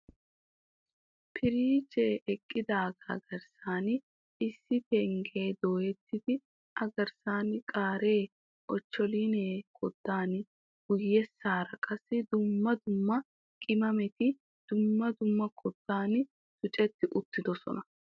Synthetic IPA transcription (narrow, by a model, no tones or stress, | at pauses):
pʰɪɾiːd͡ʒeːʔɛkʼːɪd̪aːɡɐɡɐɾsaːn | ɪsːɪpɛŋɡe̞ːd̪o̞ːjɛt̪ːɪd̪ɪ | ʔɐɡɐɾsaːnkʼaːɾe̞ː | ʔɔt͡ʃːɔliːneːkʰɔd̪ːaːn | ɡ̥ʊjːɛsːaːɾɐkʼɐsːɪd̪ʊmːɐd̪ʊmːɐ | kʼɪmɐmɛt̪ɪ | d̪̥ʊmːɐd̪ʊmːɐkʰɔd̪ːaːn | sʊt͡ʃʼɛt̪ːɪʔʊt̪ːɪd̪ɔsɔ̰nɐ